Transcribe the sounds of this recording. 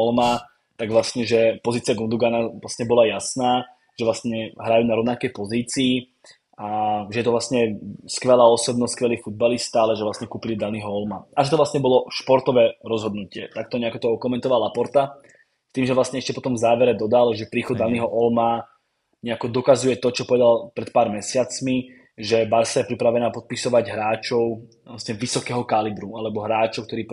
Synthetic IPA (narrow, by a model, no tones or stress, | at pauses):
ɔlma | t̪aɡʋlasɲɛʒɛpɔziːt͡sɪaɡund̪uɡanaʋlasɲɛbɔlajasnaː | ʒ̥ɛʋlastɲɛɦɾajuːnaɾɔʋnakɛjpɔziːt͡siː | aʒɛjɛt̪ɔʋlasɲɛskʋɛlaːɔsɔbnɔskʋɛliːfud̪̚balist̪aalɛʒɛʋlasɲɛkuːpilid̪aniɦɔɔlmaaʒɛt̪ɔʋlasɲɛbɔlɔʃpɔɾt̪ɔʋɛːɾɔzɦɔd̪nucɪɛ̰t̪ak̚t̪ɔɲɛakɔt̪ɔɔkɔmɛnt̪ɔʋalapɔɾt̪a | t̪iːmʒɛʋlasɲɛɛʃcɛpɔt̪ɔɱvzaːʋɛɾɛd̪ɔd̪alʒɛpɾiːxɔd̪d̪aniɦɔʔɔlma | ɲɛakɔd̪ɔkazujɛt̪ɔt͡ʃɔpɔʋɛd̪alpɾɛt̪̚paːɾmɛsɪat͡smi | ʒɛbaɾsajɛpɾipɾaʋɛnaːpɔt̪̚pisɔʋaɟɦɾaːt͡ʃɔʊ | lasɲɛʋisɔkɛːɦɔkalibɾualɛbɔɦɾaːt͡ʃɔʊk̚t̪ɔɾiːp